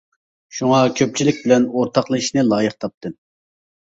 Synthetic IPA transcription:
ʃuŋɑkʲʰøp̚t͡ʃʰilɪkʲbɪlɛnoɾt̪ʰɑqlˠɨiʃnɪlˠɑːjɨqt̪ʰɑp̚t̪ʰɨ

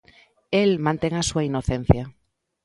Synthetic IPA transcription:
elmãnt̪eŋasuainoθen̟θja

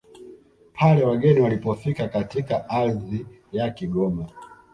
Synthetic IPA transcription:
pʰalɛwaɡɛniwalipɔfikakatikaʔazi | jakiɡɔma

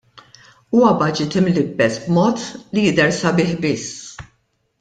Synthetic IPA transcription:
uːwɐbɐd͡ʒɪt̪ɪmlɪbːɛsbmɔːt̪lijɪd̪ɛɾsɐbɪːħbɪsː

